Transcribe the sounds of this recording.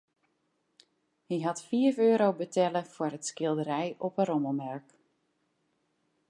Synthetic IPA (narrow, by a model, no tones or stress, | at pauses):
hiɦɑtfiəføːɾowbətɛləfʊrətskɪlˠdəɾɛjɔpəɾɔməlˠmɛɹk